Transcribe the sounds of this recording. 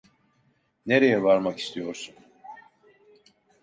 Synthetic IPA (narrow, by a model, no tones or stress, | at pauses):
ne̞ɾe̞jɛvaɾmaki̥st̪ʰijo̞ɾsun